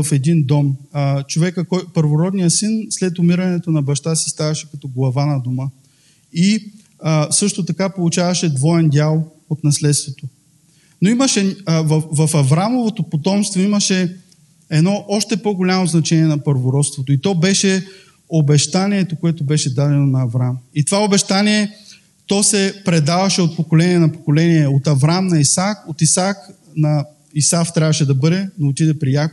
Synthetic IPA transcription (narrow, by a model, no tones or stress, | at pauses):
ɐfɛd̪ind̪ɔmt͡ʃovɛkəkɔjpəɾvoɾɔd̪nijəsinslɛt̪ʊmiɾɐnɛt̪onɐbɐʃt̪asi̥st̪avɐʃɛkɐt̪ɔɡlˠɐvanɐd̪omə | i | əsɤʃt̪ot̪ɐkapolˠut͡ʃavɐʃɛd̪vɔɛnd̪ʲjalˠ | ot̪nɐslɛt̪st̪vot̪o | noimɐʃɛvvɐfɐvɾamovot̪opot̪ɔmst̪voimɐʃɛ | ɛd̪nɔʔɔʃt̪ɛpoɡolʲamoznɐt͡ʃɛniɛnɐpəɾvoɾɔt̪st̪vot̪oit̪ɔbɛʃɛ | obɛʃt̪aniɛt̪okoɛt̪obɛʃɛd̪ad̪ɛnonɐːvɾamit̪ovaobɛʃt̪aniɛ | t̪ɔsɛpɾɛd̪avɐʃɛot̪̚pokolɛniɛnɐpokolɛniɛot̪ɐvɾamnɐisakot̪isak | nɐ | isaft̪ɾʲavɐʃɛd̪ɐbɤd̪ɛnoot̪id̪ɛpɾijak